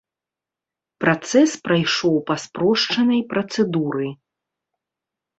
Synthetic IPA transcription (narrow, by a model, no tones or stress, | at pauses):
pɾat̪sɛspɾajʂɔwpɐspɾɔʂt͡ʂɐnɐjpɾɐt̪sɛd̪uɾɨj